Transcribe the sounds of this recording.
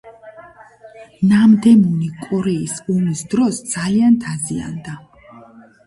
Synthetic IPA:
namd̪ɛmunikʼɔɾɛisunisd̪ɾɔsd̪z̥aliant̪ʰazia̰nd̪a

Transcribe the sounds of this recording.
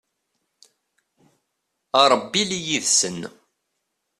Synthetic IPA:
ɑɾˤəbːilijiðsən

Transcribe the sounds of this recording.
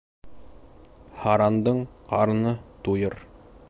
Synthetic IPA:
hɑɾɑnd̪ɤɴqɑɾnɤt̪ujɤɾ

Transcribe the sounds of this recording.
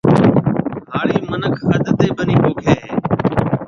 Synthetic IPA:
ɦaːɽiːmənəkʰəd̪t̪eːɓəniːboːkʰeːɦeː

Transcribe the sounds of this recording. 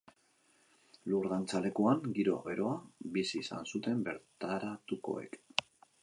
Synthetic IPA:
luɾðant͡sale̞kuaŋɡiɾo̞a̰βe̞ɾo̞abisiːsa̰nsut̪e̞mbe̞ɾt̪aɾat̪uko̞̰e̞̰k

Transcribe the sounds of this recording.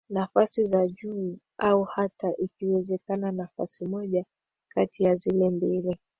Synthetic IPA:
nafasizaʄuː | auhataʔikiwɛzɛkananafasimɔʄa | katijazilɛmbili

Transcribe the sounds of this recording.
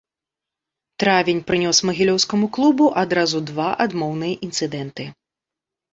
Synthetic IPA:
t̪ɾavʲinʲpɾɨnʲɔsmɐɣʲilʲɔwskɐmuklˠubuʔad̪ɾazud̪vaʔad̪mɔwnɨjɐʔint̪sɨd̪ɛnt̪ɨ

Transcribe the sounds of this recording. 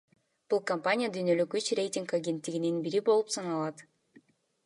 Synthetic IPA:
b̥ulˠkɐmpanʲɪjəd̪yjnø̞lykyt͡ʃrʲe̞jtʲiŋkaɡʲent̪ːiɡininbiɾibo̞lˠupsɑnɑlˠɑt̪

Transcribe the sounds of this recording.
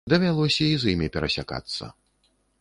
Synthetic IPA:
d̪ɐvʲalˠɔsʲɐizimʲipʲɛɾɐsʲa̰ka̰t̪sːɐ̰

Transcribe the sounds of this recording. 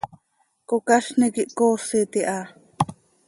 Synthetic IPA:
kokaʃnikiʔkoːsit̪iʔa

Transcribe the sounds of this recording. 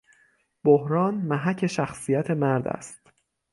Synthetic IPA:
b̥ohɾɒːnmæɦæcʰe̞ʃæxsijæt̪ʰe̞mæɾd̪æ̰st̪

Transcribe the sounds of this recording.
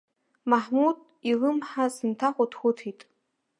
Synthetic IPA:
maħmud̚ | ilɨmħasɨntʰaχʷʼʊtʰxʷʊtʰitʼ

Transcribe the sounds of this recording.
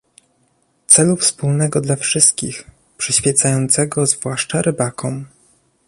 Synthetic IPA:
t̪sɛlufspulnɛɡɔd̪lafʂɘst̪̚kʲḭx | pʂɘɕfʲjɛt̪sajɔnt̪sɛɡɔzvwaʂt͡ʂaɾʔɘbakɔ̃m

